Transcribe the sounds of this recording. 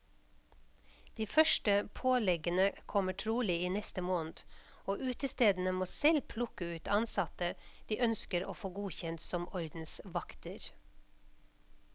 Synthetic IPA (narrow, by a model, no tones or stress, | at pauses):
d̪̥iːfœʃʈəpʰoːlɛɡənəkʰɔməʈʰɾuːlɪːiːnɛst̪əmoːnd̪oːʔʉːt̪əst̪eːd̪n̩əmoːsɛlpʰlʊkəʉːt̪ɑnsɑt̪əd̪̥iːʔœnskəɾoːfoːɡuːçɛnt̪sɔmʔɔɾd̪n̩sʋɑkt̪əɾ